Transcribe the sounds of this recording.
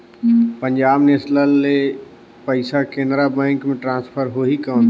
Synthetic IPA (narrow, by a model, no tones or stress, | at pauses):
pə̃ɲd͡ʒaːbneɪsləlːe | pəɪsakẽːnd̪ɾabɛ̃ːŋkmẽʈɾãːnspʰəɾɦoːɦikəːn